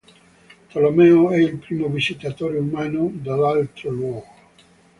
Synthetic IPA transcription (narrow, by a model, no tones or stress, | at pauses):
t̪alomɛoɛilpɾiːmovizit̪at̪oːɾeumaːnod̪alalt̪ɾolwɔːɡo